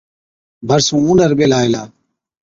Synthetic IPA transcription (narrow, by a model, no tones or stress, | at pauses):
bʱəɾsũːũːnɖəɾɓeːlaːeːlaː